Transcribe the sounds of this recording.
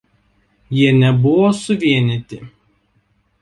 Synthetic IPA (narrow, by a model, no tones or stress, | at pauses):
jiɛnʲɛbʊʋoːsʊʋʲiɛnʲɪt̪ʲɪ